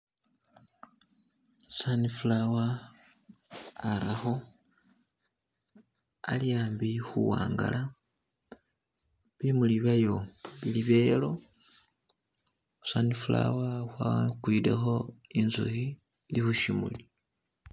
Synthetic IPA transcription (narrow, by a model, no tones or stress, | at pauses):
sanifulawa | ɾaxo̞ | a̰lijaːmbixuwa̰ːŋɡa̰lʔa | βimuliβajo̞βiliβeːlo̞ | sanifula̰waxwakwidḛxo̞inzṵhi | lixuʃimṵli